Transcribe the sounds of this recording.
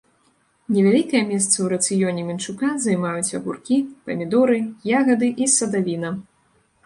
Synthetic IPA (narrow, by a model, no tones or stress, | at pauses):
nʲɛvʲalʲikɐjɐmʲɛst̪sɐwɾɐt̪sɨjɔnʲɛmʲint͡ʂukazɐjmajut͡sʲɐɣurkʲipɐmʲid̪uɾɨjaɣɐd̪ɨʔisɐd̪avʲinɐ